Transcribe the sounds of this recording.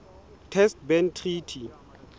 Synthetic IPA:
tʰɛstbɛntʰritʰi

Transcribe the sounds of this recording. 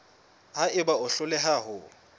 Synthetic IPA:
haɪbaʊɬʊlɛɦaɦʊ

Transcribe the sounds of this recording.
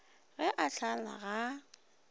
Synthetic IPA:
ɣɛʔaɬʰala̰ɣa

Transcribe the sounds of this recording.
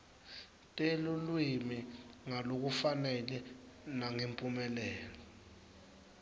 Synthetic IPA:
tʼelulwimiŋalok̬ufanɛlɛnaŋempʼumɛlɛːlɔ

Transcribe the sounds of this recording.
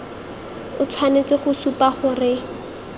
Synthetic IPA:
ʊt͡sʰwanet͡sɪχʊsupaχʊrɪ

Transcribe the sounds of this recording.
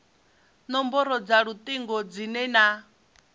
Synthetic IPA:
nɔmbɔɾɔd͡zaɺut̪ʼiŋɡɔd͡zinɛna

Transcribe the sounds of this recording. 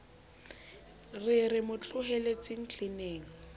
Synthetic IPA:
rɪrɪmʊt͡ɬʼʊɦɛlet͡sʼɪŋ̩t͡ɬʰʼineːŋ̩

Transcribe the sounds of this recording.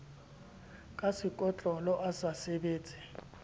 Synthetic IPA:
kʼasikʼɔt͡ɬʼɔlɔʔasasɛɓeːt͡sʼi

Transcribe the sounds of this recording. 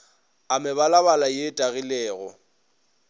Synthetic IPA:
amɪβalaβalajetʼaɣilɛːɣɔ̰

